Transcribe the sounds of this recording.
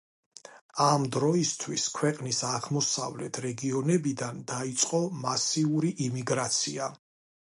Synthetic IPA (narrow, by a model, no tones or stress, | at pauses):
amd̪ɾɔist̪ʰwiskʰwɛqʼnisaʁmɔsa̰vlɛt̪ʰɾɛɡiɔnɛbid̪and̪ait̪sʼqʼɔmasiuɾiʔimiɡɾat̪sʰia